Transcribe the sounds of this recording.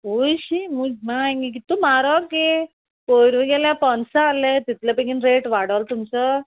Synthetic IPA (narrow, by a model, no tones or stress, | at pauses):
oɕimuɡmãŋɡik̬it̪ːumaɾɔke | poɾʋiɡɛljãpɔnsaːlet̪it̪leəpekinɾeʈʋaɽalt̪umt͡sɔ